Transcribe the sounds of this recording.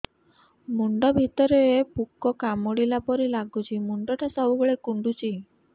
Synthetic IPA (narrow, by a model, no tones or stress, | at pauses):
muɳɖɔbʱit̪ɔɾeepukːɔkamoɽilapɔɾilaɡut͡ʃʰimuɳɖɔʈʰasɔbuɡɔɭekuɳɖut͡ʃʰi